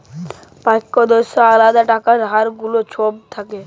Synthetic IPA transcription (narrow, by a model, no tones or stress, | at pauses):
pajkːod̪oʃaalad̪aʈakaɾɦaɾɡulot͡ɕʰob̚t̪ʰake